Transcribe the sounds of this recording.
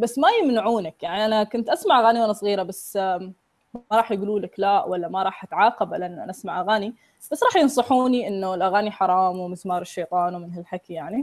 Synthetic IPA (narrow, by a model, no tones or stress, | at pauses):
basːmajɪmnɪʕuːnakjaʕniʔanakʊnt̪ʔasmaʕʔaɣaːniwʔanasˤɣiːɾabas | maɾˤɑːħjɡuːluːlaklaʔwalːamɑɾˤɑːħʔat̪ʕɑːqɑbalaʔnʔa̰nʔasmaʕʔaɣaːni | b̥asːɾˤɑːħjɪnsˤɑħuːniʔɪnːʊɪlʔaɣaːniħɑɾˤɑːmwmɪθmɑːɾˤɪʃːejt̪ˤɑːnwmɪnhɪlħakijaʕni